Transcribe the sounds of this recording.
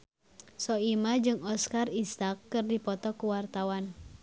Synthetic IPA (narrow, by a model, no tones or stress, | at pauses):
sɔimad͡ʒɨŋɔskarist̪akːɨrdipɔt̪ɔkuwart̪awan